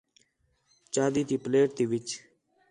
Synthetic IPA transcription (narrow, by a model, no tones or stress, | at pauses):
t͡ʃaːd̪it̪iːpleːʈt̪iʋit͡ʃ